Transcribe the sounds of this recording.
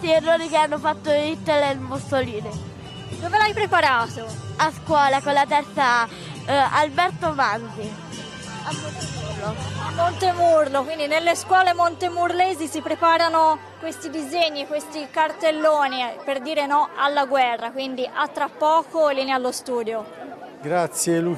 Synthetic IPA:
t̪ierːoːnikeanːofat̪ːoit̪ːelelmusoliːne | d̪oːvelajpɾepaɾaːt̪oaskwɔːlakolːat̪ɛɾt̪sa | albɛrt̪omanzi | amːont̪emurloamːont̪emurlokwind̪inelːeskwɔːlemont̪emurleːzisipɾepaːɾano | kwest̪id̪izeɲːiekwest̪ikart̪elːoːniperd̪iːɾenɔʔalːaɡwɛrːakwind̪iʔat̪ːɾapːɔːkolːiːnealːost̪uːd̪joɡɾat̪sːjelu

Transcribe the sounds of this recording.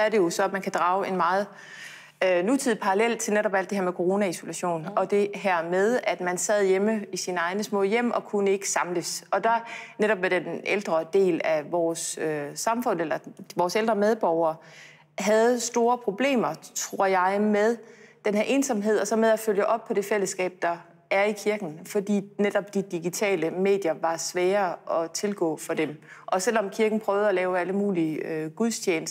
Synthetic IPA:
ɒæɐɾe̝jo̝sɒ̽æmænkʰæd̥ʁɑ̈ːʊe̝nmɑ̈ːð̩ˠ | ønut͡sʰið̰̩ˠpʰɑ̈ʁɑlel̰t͡sʰe̝lneɾɒb̥æl̰d̥e̝ɦeɐmekʰo̝ʁo̝ːnæiso̝læɕo̝̰ːnɒ̽d̥e̝ɦæɐ̰með̞ˠæd̥mænsɛð̞̰ˠjeməisinɑ̈ɪnəsmɔ̰̽ːjem̰ɒ̽kʰunəe̝ɡ̥ə̥sɑ̈mləsɒ̽d̥ɑneɾ̥ɒ̽b̥med̥edʔeld̥ʁɐd̥e̝̰ːlæʋɒːsøːɑ̈mfɔ̽n̰elɐʋɒːseld̥ʁɐmeð̞ˠb̥ɒʊɐː | ɦæð̞ˠsd̥o̝ːɐpʰʁo̝b̥le̝̰ːmɐt͡sʰʁo̝ɐ̰jɑ̈ɪmeðˠd̥enhæɐʔe̝ːnsɒ̽mɦe̝ð̞̰ˠɒ̽sɒ̽meðˠæføljəʔɒ̽b̥̚pʰɒ̽d̥e̝fel̰əsɡ̥ɛ̰ːb̥̚d̥ɑ̈ | æɐikʰiɐɡ̥n̩fɒ̽d̥ḭːned̥ɒ̽b̥̚d̥id̥iɡ̥it͡sʰɛ̰ːləme̝̰ːd̥jɐʋɑ̈sʋɛːɐɒ̽t͡sʰe̝lɡ̥ɔ̰̽ːfɒ̽d̥emʔɒ̽sel̰ɒ̽mkʰiɐɡ̥n̩pʰʁœːʊð̩ˠɒlɛːʊæləmuːliəøɡ̥uðˠst͡ɕʰjeːnəs

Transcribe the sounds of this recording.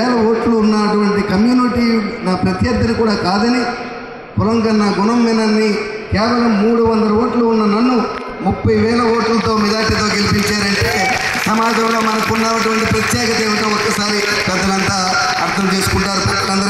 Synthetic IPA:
lɐoːʈluːnːɐɐʈuʋɐɳʈikɐmjuːniʈiːnaːpɾɐt̪jɐd̪ːɐnikuːɽaːkaːd̪ɐni | pɔlɐŋɡɐnaːɡunɐmːinɐnːi | kɛːʋɐlɐmːuːɽuʋɐnd̪ɐlɐoːʈluːnːɐnɐnːu | mupːɐjʋɛːlɐoːʈlt̪o̞ːmid͡ʒaːʈit̪o̞ːɡelipiɲt͡ʃaːɾɐɳʈesɐmaːd̪ʱɐmlo̞ːmɐnɐkunːaːnɐʈuʋɐɳʈipɾɐt̪jɛːkɐt̪ɐeːʋit̪ɐːɔkːɐsaːɾi | kɾɐd̪ɐlɐnt̪aː | ɐ̰ɾt̪ʰɐmt̪iːsu̥kuɳʈaːɾup | ɐnd̪ɐɾ

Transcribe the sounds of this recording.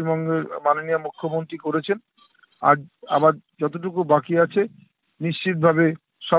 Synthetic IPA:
bɔŋɡeɾmanonijamukʰːomont̪ɾikoɾet͡ɕʰen | a̰ɾa̰baɾd͡ʑɔt̪̬oʈ̬ukubakiat͡ɕʰe | niʃt͡ɕit̪̚bʱabe | ʃɔ

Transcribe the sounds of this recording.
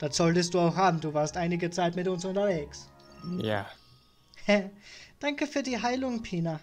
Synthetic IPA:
d̥atz̥ɔltəstd̥uːaʊxhaːbm̩duːvaːɐstʔaɪnɪɡət͡saɪtmɪtʊnsʊntɐveːks | ja̰ː | ɛd̥aŋkəfyːɐdiːɦaɪlʊŋpʰiːna

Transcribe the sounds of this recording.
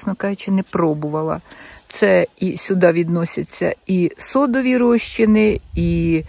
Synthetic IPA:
snɔkɑʒʊt͡ʃɪnɛpɾɔbʊʋɐlˠɐ̰t̪sɛisʲʊd̪ɑʋʲid̪nɔsʲɐt͡sʲːɐ̰isɔd̪ɔʋʲiɾɔʃt͡ʃɪnɪi

